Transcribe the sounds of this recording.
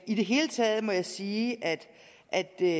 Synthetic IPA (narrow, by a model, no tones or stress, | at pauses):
id̥e̝ɦe̝ːlət͡sʰɛːð̞ˠmɒ̽jɑ̈ɪsiːʔæd̥ | ʔæd̥